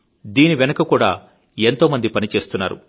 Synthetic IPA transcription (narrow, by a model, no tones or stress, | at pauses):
d̪iːniʋenɐkɐkuːɽaː | ent̪o̞ːmɐnd̪ipɐnit͡ʃe̞ːst̪unːa̰ːɾṵ